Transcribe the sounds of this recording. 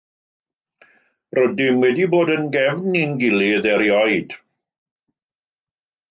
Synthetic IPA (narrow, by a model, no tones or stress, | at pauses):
rɔdɪmwɛdiboːdənɡɛvnːinɡɪliəðɛɾjɔjd̥